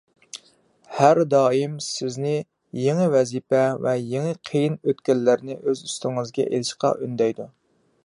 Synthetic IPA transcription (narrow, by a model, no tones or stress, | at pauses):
hæɾd̪ɑːimsɪznɪ | jeŋɪvɛzipɛvɛjeŋɪqʰejinøt̪̚kʲɛlːæɾnɪʔøzyst̪ɪŋɨzɡʲɛ̰ʔḛlɪʃqʰɑ̰ʔynd̪ɛjd̪u